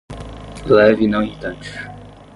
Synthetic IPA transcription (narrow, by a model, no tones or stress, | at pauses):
lɛvinɐ̃w̃ĩt̪ɐ̃nd͡ʒiʃ